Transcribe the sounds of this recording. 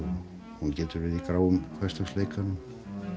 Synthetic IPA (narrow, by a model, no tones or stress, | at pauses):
huncɛːt̪ʏɾvɪðikɾaːwʏmkʰvɛst̪asleːjkʰanʏm